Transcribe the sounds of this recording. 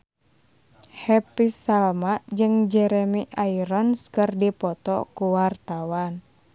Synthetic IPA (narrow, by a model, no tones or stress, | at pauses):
hɛpisalmad͡ʒɨŋd͡ʒɛɾɛmiʔaiɾɔnskərdipɔt̪ɔ̰kuwart̪awan